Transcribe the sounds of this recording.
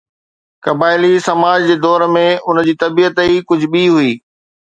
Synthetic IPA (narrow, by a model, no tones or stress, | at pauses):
kɐbaːɪlisɐmaːd͡ʑd͡ʑeːd̪ɔːɾmẽʔʊnd͡ʑiːt̪ɐbiːət̪ikʊd͡ʑʱɓiɦuiː